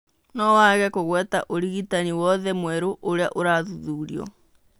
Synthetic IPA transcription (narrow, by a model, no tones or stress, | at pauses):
nɔwaɣɛkoɣwɛtaʔoɾiɣitaniwɔðɛmwɛɾoʔoɾeaʔoɾaːðuðuːɾiɔ̰